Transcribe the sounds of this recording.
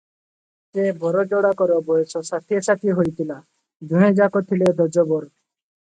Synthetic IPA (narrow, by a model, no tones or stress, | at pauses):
sebʱɔɾɔd͡ʒɔɽakɔɾɔbɔjesɔsat̪ʰiɔsat̪iɦojt̪ʰila | d̪ʱũẽd͡ʒakɔt̪ʰiled̪ʱɔd͡ʒɔbɔɾ